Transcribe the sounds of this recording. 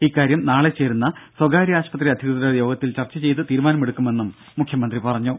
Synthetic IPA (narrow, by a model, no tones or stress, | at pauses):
ikːaːɾjɐmnaːɭe̞t͡ɕe̞ːɾunːɐswɐɡaːɾiaːɕpɐt̪̬riɐd̪ʱjɐɣɐt̪ɾɐjo̞ːɡɐt̪ːilt͡ɕɐrt͡ɕːɐt͡ɕe̞jt̪ːɨt̪iːɾumaːnɐmeɽukːume̞nːumːukʰjɐmɐnd̪ripɐrɐɲːu